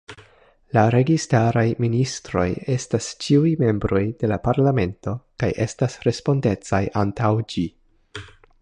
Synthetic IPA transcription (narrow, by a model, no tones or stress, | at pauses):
laɾe̞ɡistaɾajministɾo̞̰je̞stast͡ʃiujme̞mbɾo̞jde̞lapaɾlame̞nto̞kajʔe̞stasɾe̞spo̞nde̞t͡sajʔantawd͡ʒi